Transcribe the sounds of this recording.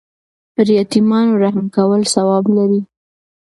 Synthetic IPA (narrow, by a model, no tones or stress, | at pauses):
pəɾjat̪imɑnoɾahmkawəlsawɑblaɾi